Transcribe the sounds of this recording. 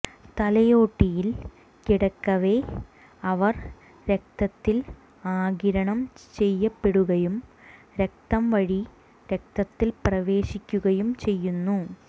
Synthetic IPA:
t̪ɐlɐjo̞ːʈːijil | kiɽɐkːɐʋe̞ | ɐʋɐr | ɾe̞k̚t̪ɐk̪̚ːil | aːɡiɾɐɳɐmt͡ɕe̞jːɐpːeɽuɣɐjum | ɾe̞k̚t̪ɐmʋɐɻi | ɾe̞k̚t̪ɐt̪ːilprɐʋe̞ːɕikʲːuɣɐjumt͡ɕe̞jːunːu

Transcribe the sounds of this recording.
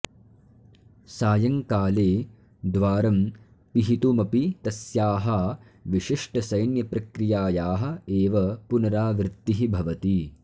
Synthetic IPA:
saːjɐŋkaːleː | d̪ʋaːɾɐm | piɦit̪umɐpit̪ɐsjaːɦɐ | ʋiʃiʂʈɐsɐjnjɐpɾɐkɾijaːjaːɦɐ̆eːʋɐpunɐɾaːʋɾɪt̪ːiɦibʱɐʋɐt̪i

